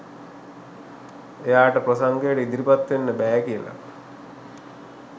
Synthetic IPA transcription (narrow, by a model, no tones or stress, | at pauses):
ejaːʈəprosaŋɡejəʈəid̪iɾipat̪ʋenːəbæːkijəla̰